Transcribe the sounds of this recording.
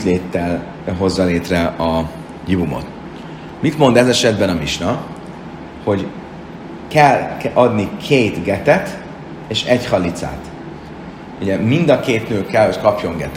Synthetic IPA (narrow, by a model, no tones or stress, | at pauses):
t̪leːt̪ːɛl | ɦo̞zːɒleːt̪rɛɒ | jivumo̰t̪ | mit̪mo̞nd̪ɛzɛʃɛd̪bɛnɒmiʃnɒ | ho̞ɟ | kɛlɒd̪nikʰeːt̪ɡɛt̪ɛt̪ | eːʃɛchɒlːit̪sa̰ːt̪ | uɟɛmind̪ɒkeːt̪nøːkɛlho̞ckɒpjo̞ŋɡɛt̪